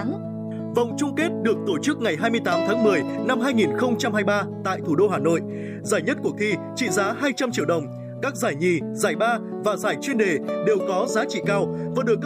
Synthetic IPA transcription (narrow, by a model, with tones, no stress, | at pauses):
və̰˧˨wŋ͡mt͡ɕʊ˧ŋ͡mke˦˥t̚ɗɨ˨˩ək̚t̪o˧˩t͡ɕɨ˦˥k̚ŋa˨˩jɦaː˧jmɨ˧əjt̪aː˨˦mt̪ʰaː˨˦ŋmɨ˨˩əjna˧mɦaː˧jŋi˨˩nxə˧wŋ͡mt͡ɕa˧mhaː˧jɓaː˧t̪a̰ː˧˨jt̪ʰu˧˩ɗo˧ɦaː˨˩no̰˧˨jʔ | zaː˧˩jɲə˦˥t̚ku˧˩ət̪ʰi˧ | t͡ɕḭ˧˨zaː˨˦haː˧jt͡ɕa˧mt͡ɕi˧əwɗə˨˩wŋ͡m | kaː˦˥k̚zaː˧˩jɲi˨˩zaː˧˩jɓaː˧ | vaː˨˩zaː˧˩jt͡ɕwi˧ənɗe˨˩ɗe˨˩wkɔ˨˦zaː˨˦t͡ɕḭ˧˨kaː˧wvaː˨˩ɗɨ˨˩əkː